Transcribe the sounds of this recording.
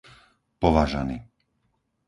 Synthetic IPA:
pɔʋaʒani

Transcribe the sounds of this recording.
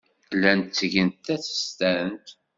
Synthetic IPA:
lænt̪t͡sːəʝənt̪ːæθə̥st̪æɾənt̪

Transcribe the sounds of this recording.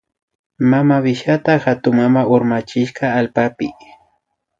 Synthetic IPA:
mamaβɪʃat̪ahat̪ʊŋmamaʔʊɾmat͡ʃɪʃkɑːlpapɪ

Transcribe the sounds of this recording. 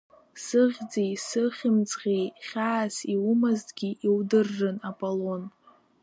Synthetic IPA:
sɨʁʲd͡zijsɨχʲɪmt͡sʼʁʲejχʲaːsiwʊmɨztʼɡʲiʔiwdɨrːɨnapʼolo̞n

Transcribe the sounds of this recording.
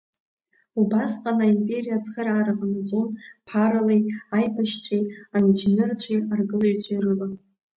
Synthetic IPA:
ubasqʼanaimpʼe̞ɾijat͡sʰʼχaɾaːɾaʁanat͡sʼonpʰaɾalejajpʰaʃt͡ɕʷʰejand͡ʒinɨrt͡ɕʷʰajarɡɨlaɥt͡ɕʷʰairɨla

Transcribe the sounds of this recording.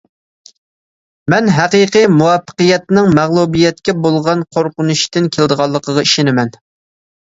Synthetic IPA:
mɛnɦæqiqijmuwɑpʰːə̥qɨjɛt̪nɪŋmæʁlˠubijɛt̪kʲɛbolˠʁɑnqʰoɾqʊnuʃt̪ɪnkʲʰelɪd̪əʁɑlˠːəqʰəʁɑiʃɪnɪmɛn

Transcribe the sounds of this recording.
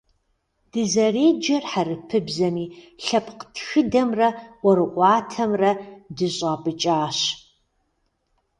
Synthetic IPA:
d̥ɨzɐreːd͡ʒɐrħarɨpʰɨbzɐmiːɬɐpʰqtxɨdɐmrɐʔʷɔɾɨʔʷɑːtʰɐmrɐdɨɕʼaːbɨt͡ʃʼaːɕ

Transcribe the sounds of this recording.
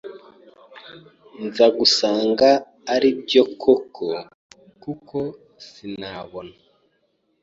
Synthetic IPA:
nzaɡusaːŋɡaː | ɾib̚ɟokʰokʰo | kukʰo | sinaβona

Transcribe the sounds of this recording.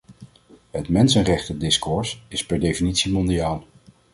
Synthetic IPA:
ɦətmɛnsənrɛχtədɪskɔɹsɪspɛɹdejfinitsimɔndiaːlˠ

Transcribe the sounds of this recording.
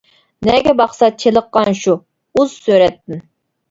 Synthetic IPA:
nɛɡʲɛbɑχsɑt͡ʃʰelˠəqːɑnʃu | uz̥søɾɛt̪ːɪn

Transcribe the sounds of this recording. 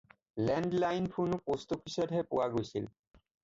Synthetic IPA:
lɛnɖlajnpʰunupost̪opʰisɔdɦɛpʊwaɡojsḭl

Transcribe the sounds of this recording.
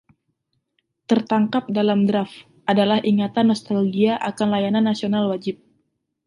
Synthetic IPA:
t̪ərt̪aŋkap̚dalamdɾaf | ʔadalahʔiŋat̪anːɔst̪alɡiaʔakanlajananːasionalwad͡ʒɪp̚

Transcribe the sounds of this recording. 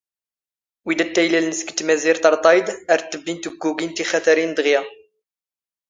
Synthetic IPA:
wid̪æt̪ːæjlælnsə̥kt̪ːmæziɾt̪ɑɾˤt̪ˤɑjd̪ˤəɾt̪ːəbːint̪əɡːuɡint̪iχæt̪əɾind̪əʁjæ

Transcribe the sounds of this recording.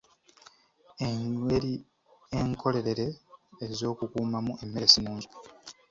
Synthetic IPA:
enweɾi | eŋkʰo̞le̞ɾe̞ɾe̞ːzo̞ːkukuːmamuʔe̞mːeɾesinuːnzu

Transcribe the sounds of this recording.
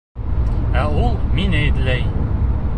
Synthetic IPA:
aumined̪lɛj

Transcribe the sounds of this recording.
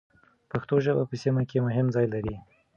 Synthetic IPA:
paxt̪oʒəba̰pəsimakʰemʊɦɪmzɑjlaɾi

